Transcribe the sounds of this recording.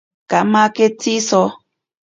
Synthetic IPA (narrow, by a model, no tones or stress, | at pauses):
kamaketisɔ